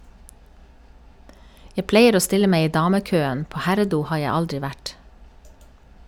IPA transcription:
ˈjæ ˈpleɪəɾ ˈoː ˈstɪlə ˈmeɪ ˈiː ˈdɑːməˌkøːən ˈpoː ˈhæɾəˌduː ˈhɑː ˈjæ ˈɑldɹɪ ˈʋæʈ

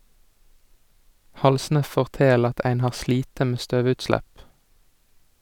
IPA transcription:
ˈhɑlsnə ˌfɔʁˈteːl ˈɑt ˈæɪn ˈhɑːʁ ˈsliːtə ˈmeː ˈstøːˌʋʉtˌslæp

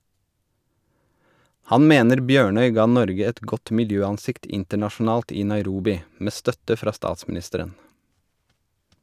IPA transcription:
ˈhɑn ˈmeːnəɾ ˈbjøːɳœʏ ˈɡɑː ˈnɔɾɡə ˈɛt ˈɡɔt mɪlˈjøːɑnˌsɪkt ˈɪntəɳɑʃn̩ˌɑːlt ˈiː nɑɪˈɾuːbɪ ˈmeː ˈstœtə ˈfɾɑː ˈstɑːtsmn̩ˌɪstəɾən

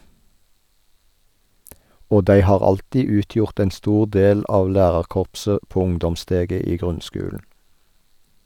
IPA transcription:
ˈoː ˈdæɪ ˈhɑːʁ ˈɑltiː ˈʉːˌtjʊʁt ˈɛn ˈstuːʁ ˈdeːl ˈʔɑːʋ ˈlæːʁɑʁˌkɔʁpsə ˈpoː ˈʊŋdɔmˌsteːɡə ˈiː ˈɡʁʉnˌskʉːln̩

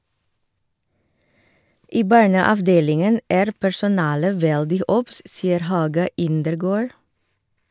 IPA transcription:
ˈiː ˈbɑɳəɑʋˌdeːlɪŋən ˈæːɾ pæɹsʊˈnɑːlə ˈʋɛldɪ ˈʔɔps ˈsiːəɾ ˈhɑːɡɑ ˈɪndəɾˌɡoːɹ

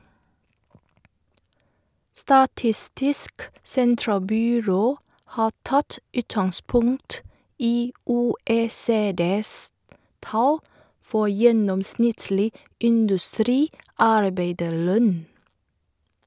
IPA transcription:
stɑˈtɪstɪsk ˈsɛntɾɑlˌbyːɾoː ˈhɑː ˈtɑt ˈʉːtɑŋˌspʊŋt ˈiː ˌuːˌeːˈseːdeːs ˈtɑl ˈfɔ ˈjɛnɔmˌsnɪtlɪ ɪndʉˈstɾiːˌɑɾbeɪdəɾˌlœn

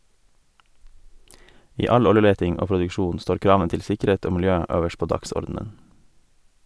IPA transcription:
ˈiː ˈɑʎ ˈɔləˌleːtɪŋ ˈoː pɾʊdʉkˈʃuːn ˈstoːɾ ˈkɾɑːʋən ˈtɪl ˈsɪkəˌɾeːt ˈoː mɪlˈjøː ˈøːʋəʃ ˈpoː ˈdɑksɔɾdn̩ən

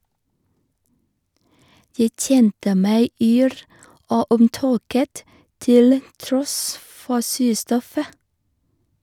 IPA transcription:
ˈjæɪ ˈc͡çɛntə ˈmæɪ ˈyːɾ ˈoː ʊmˈtoːkət ˈtɪl ˈtɾɔs ˈfɔ ˈsʉːˌstɔfə

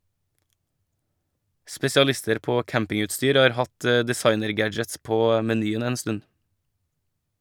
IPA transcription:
spɛsɪɑˈlɪstəɾ ˈpoː ˈkæmpɪŋʉtˌstyːɾ ˈɑːɾ ˈhɑt ə dɪˈsɑɪnəɾˌɡæd͡ʒəts ˈpoː mɛˈnyːən ˈeːn ˈstʉn

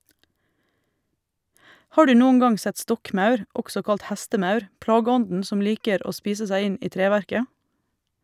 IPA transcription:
ˈhɑː ˈɖʉː ˈnuːən ˈɡɑŋ ˈsɛt ˈstɔkˌmɑʉɾ ˈɔɡsɔ ˈkɑlt ˈhæstəˌmɑʉɾ ˈplɑːɡəˌɔndn̩ ˈsɔm ˈliːkəɾ ˈoː ˈspiːsə ˈsæɪ ˈɪn ˈiː ˈtɾeːʋæɾkə

